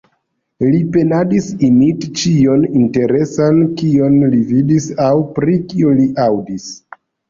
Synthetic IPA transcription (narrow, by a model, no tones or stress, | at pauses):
lipe̞nadisimitt͡ʃio̞ninte̞ɾe̞sankio̞nlividisawpɾikioliʔawdis